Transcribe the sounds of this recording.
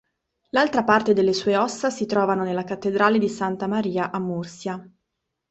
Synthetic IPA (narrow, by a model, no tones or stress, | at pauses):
lalt̪ɾapart̪ed̪elːesuːeɔsːasit̪ɾɔːvanonelːakat̪ːed̪ɾaːled̪isant̪amaɾiːaʔamːursja